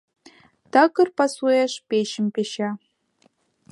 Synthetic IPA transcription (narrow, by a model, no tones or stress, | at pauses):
takɨrpasueʂpeʃɪmpʲeʃa